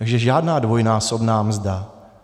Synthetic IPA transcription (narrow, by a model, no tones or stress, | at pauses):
aɡʒɛʒaːdnaːdvojnaːso̞bnaːmzda